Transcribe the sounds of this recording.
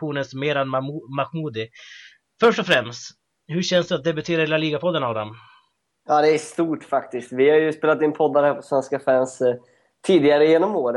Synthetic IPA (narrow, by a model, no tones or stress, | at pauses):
uːnənsmeːɾanmakmuːd̪ɪ | fœʂʈɔfɾɛmst̪ | hɵɕɛnsd̪ɵat̪̚d̪ɛbɵt̪ʰeːɾaɾheːlaliːɡapʰɔd̪ːənavd̪ɔm | ɑːd̪ɛːʂt̪uːʈfak̚t̪ɪst̪vɪhaɾjɵspeːlat̪̚d̪ɪnpʰɔd̪ːaɾhæːpʰɔsvɛnskafæːns | t̪ʰiːd̪ɪɡaɾəjeːnɔmoːɾə